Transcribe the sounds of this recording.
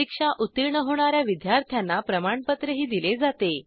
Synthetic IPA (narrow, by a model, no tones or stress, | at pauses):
ikʂaʔut̪ːiɾɳəɦoɳ̃aɾjaʋid̪jaɾt̪ʰjanːapɾəmaɳpət̪ɾəɦiːd̪iled͡zat̪e